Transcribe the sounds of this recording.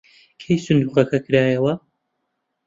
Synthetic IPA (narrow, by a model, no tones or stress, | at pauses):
kʰejsɨnd̪uːqɐkʰɐkʰɨɾaːjɐwɐ